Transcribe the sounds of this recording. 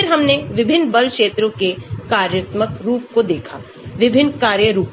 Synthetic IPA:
ɪɾɦɐmneʋɪbʱɪnːbɐlkʃeːt̪ɾõkekaːɾjət̪məkɾuːp̚kod̪eːkʰa̰ | ʋɪbʱɪnːkaːɾjəɾuːp

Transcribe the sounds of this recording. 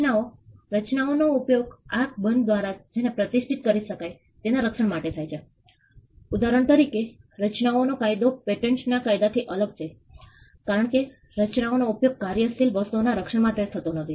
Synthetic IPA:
naoɾət͡ʃnaonoupjoɡak̚bənd̪̚d̪ʋaɾad͡ʒenepɾət̪iʃʈʰit̪̚kəɾiʃəkaj | t̪enaɾəkʂəɳmaʈet̪ʰajt͡ʃʰe | ud̪aɾəɳ̃t̪əɾikeɾət͡ʃnaonokajd̪opeʈeɳsnakajd̪at̪ʰiʔələɡ̚t͡ʃʰe | kaɾəɳke | ɾət͡ʃnaonoupjoɡ̚kaɾjəst̪ʰilʋəst̪uonaɾəkʂəɳmãt̪et̪ʰət̪onət̪ʰi

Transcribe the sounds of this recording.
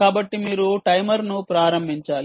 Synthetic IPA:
kaːbɐʈːimiːɾuʈɐjmɐɾnupɾaːɾɐmbʱiɲt͡ʃaːli

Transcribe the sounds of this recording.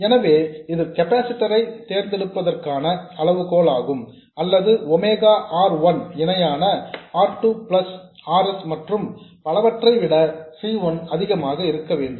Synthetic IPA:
ɛnɐʋeːɪðɯkɛpaːsɪʈːɐɾɐɪt̪ːeːɾnd̪ɛɽɯpːɐðɐrkaːnɐɐɭɐʋɯkoːɭaːɣɯm | ɐlːɐðɯɔmeːɣaːʔaːɾʋɐnɛnɐjaːnɐaːɾʈuːplɐsaːɾɛsmɐʈrɯmpɐɭɐʋɐʈrɐɪʋɪɽɐsiːʋɐnɐðɪɣɐmaːɣɐɪɾɯkːɐʋeːɳɖɯm

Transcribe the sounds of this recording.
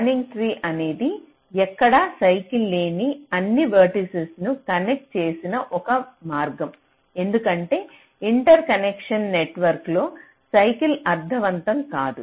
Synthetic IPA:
ɐniŋɡt̪ʰɾiːʔɐne̞ːd̪i | ɛkːɐɽɐsɐjkilːe̞ːniɐnːiʋɐɾʈisesnukɐnek̚ʈ̚t͡ʃe̞ːsinɐʔɔkɐmaːɾɡɐm | e̞nd̪ukɐɳʈe̞ː | iɳʈɐɾkɐnekʂɐnːeʈʋɐɾklo̞ː | sɐjkilɐɾd̪ʱɐʋɐnt̪ɐmkaːd̪u

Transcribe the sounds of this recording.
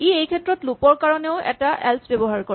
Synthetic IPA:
iejkʰɛtɹɔtlupɔɹkaɹɔneʊɛ̰taʔɛ̰lsbebɔɦaɹkɔ

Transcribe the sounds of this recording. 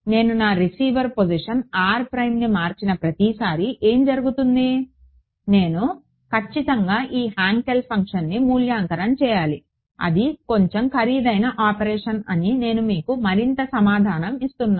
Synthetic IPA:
ne̞ːnunaːɾisiːʋɐɾpod͡ʒiʂɐnaːɾpɾɐjmnimaːɾt͡ʃinɐpɾɐt̪isaːɾiʔe̞ːmd͡ʒɐɾuɡut̪und̪i | ne̞ːnu | kɐt͡ʃːit̪ɐŋɡaːʔiːɦaːŋkelpʰɐŋkʂɐnːimuːljaːŋkɐɾɐmt͡ʃɛːjaːli | ɐ̰d̪iko̞ɲt͡ʃemkʰɐɾiːd̪ɐjnɐʔaːpɐɾɛːʂɐnɐnine̞ːnumiːkumɐɾint̪ɐsɐmaːd̪ʱaːnɐmist̪unːaː

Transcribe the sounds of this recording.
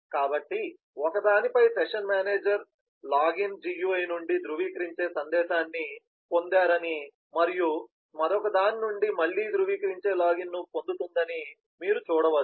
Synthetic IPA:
kaːbɐʈːi | ɔkɐd̪aːnipɐjsɛkʂɐnmaːne̞ːd͡ʒɐɾ | laːɡind͡ʒijuːɐjnuɳɖid̪ɾuʋiːkɐɾiɲt͡ʃe̞ːsɐnd̪ɛːʃaːnːi | po̞nd̪aːɾɐni | mɐɾiju | mɐɾɔkɐd̪aːninuɳɖimɐɭːiːd̪ɾuʋiːkɐɾiɲt͡ʃe̞ːlaːɡinːupo̞nd̪ut̪und̪ɐni | miːɾut͡ʃuːɽɐʋɐ

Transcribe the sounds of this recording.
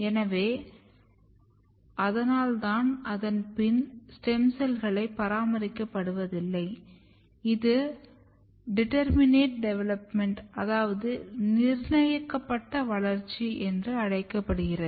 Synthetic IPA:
ɛnɐʋeː | ʔɐðɐnaːlt̪aːnɐðɐnpɪnsʈɛmsɐlɣɐɭɐɪpːɐɾaːmɐɾɪkːɐpːɐɽɯʋɐðɪlːɐɪ | ɪðɯ | ɖɪʈɐɾmɪneːʈ̚ɖɛʋɛlɐpmɛɳʈɐðaːʋɐðɯnɪɾnɐjɐkːɐpːɐʈːɐʋɐɭɐɾt͡ʃːiʔɛndrɯɐɽɐɪkːɐpːɐɽɯɣɪrɐð

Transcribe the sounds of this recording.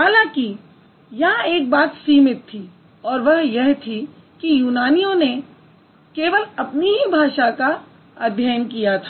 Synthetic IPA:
ɦaːlãki | jɐɦãeːk̚baːt̪siːmɪt̪ʰːi | ɔːɾʋɐɦjɛɦt̪ʰi | kijuːnaːnijõne | keːʋəlɐpniɦibʱaːʃaka | əd̪ʱjaːənkijat̪ʰaː

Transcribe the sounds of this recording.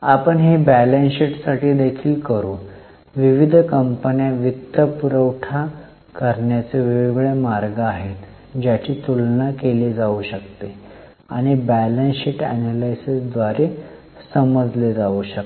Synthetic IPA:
apəɳɦibælensiʈsaʈiːd̪ekʰiːlkəɾuː | ʋiʋid̪ʱkəmpənjaʋit̪ːəpuɾəwʈʰa | kəɾɳjat͡seʋiʋiɡɭemaɾɡəaɦet̪ | d͡ʑjat͡ɕiːt̪ulnakeled͡zauɕəkt̪e | a̰ɽ̃ibælensiʈæ̰nalajsəsd̪ʋaɾe | səməd͡zled͡zauɕə

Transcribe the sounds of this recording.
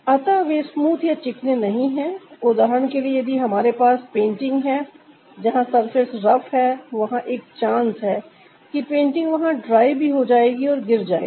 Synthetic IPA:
ɐt̪aʋeːsmuːt̪ʰjat͡ʃɪknenɐɦĩɦɛ̃ːʊd̪aːɦənkeliejɐd̪ʱieɦɐmaːɾepaːspẽːɳʈɪ̃ŋɡɦɛ | d͡ʒɐɦãsɐɾfʰɪɾsɾɐfɦɛːʋɐɦãʔeːkt͡ʃãːnsɦɛː | kipẽːɳʈɪ̃ŋɡʋɐɦãɖɾaːibʱiɦod͡ʒaːeːɡiɔːɾɡɪɾd͡ʒa̰ːḛi

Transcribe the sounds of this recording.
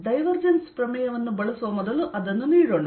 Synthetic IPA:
ɖɐjʋɐrd͡ʑɐnsprɐmijɐʋenːɨbɐɭɐsoːmɐd̪ɐlʔɐðenːuniːɾoɳɖɨ

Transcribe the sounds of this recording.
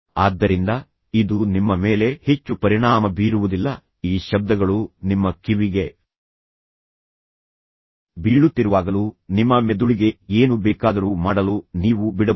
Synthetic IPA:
aːd̪ːɐɾind̪ɐ | id̪unimːɐmeːle̞he̞t͡ʃːupɐɾiɳaːmɐbiːɾuʋud̪ilːɐ | iːʃɐb̚d̪ɐɡɐɭunimːɐkiʋiɡe̞ | biɭːut̪ːiɾuʋaːɡɐlunimːɐmed̪uɭiɡe̞eːnubɛːkaːd̪ɐɾumaːɽɐluniːʋubiɽɐ

